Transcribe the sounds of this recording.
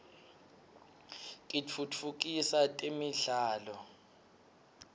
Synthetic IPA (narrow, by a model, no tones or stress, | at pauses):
tʼit͡fʰut͡fʰukʼisatʼemiɮaːlɔ